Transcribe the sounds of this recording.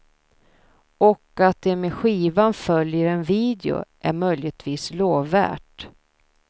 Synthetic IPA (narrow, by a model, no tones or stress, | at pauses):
ɔkat̪̚d̪ɛmeɧiːvanfœljəɾɛnviːd̪ɛʊ̰ʔæɾmœjlɪət̪ʰviːsloːvːæ̰ːʈ